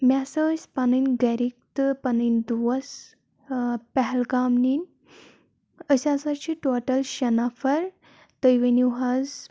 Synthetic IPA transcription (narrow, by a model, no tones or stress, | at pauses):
mʲasəsʲpanənʲɡɛɾik̚t̪pɐnənʲd̪uʋɐs | pɛɦɛlɡaːmnin | əsʲasat͡ʃʰiʈoʈəlɕɐnafɐɾ | t̪əjʋeniɦaz